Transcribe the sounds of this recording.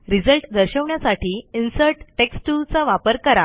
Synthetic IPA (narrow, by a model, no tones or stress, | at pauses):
ɾid͡zəlʈd̪əɾɕəʋɳjasaʈiːinsəɾʈʈeksʈult͡saʋapəɾkəɾa